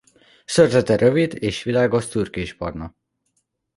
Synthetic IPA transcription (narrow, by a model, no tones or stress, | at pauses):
sørzɛt̪ɛɾøvid̪eːʃʋilaːɡoʃt̪yrkeːʃpɒ̰rnɒ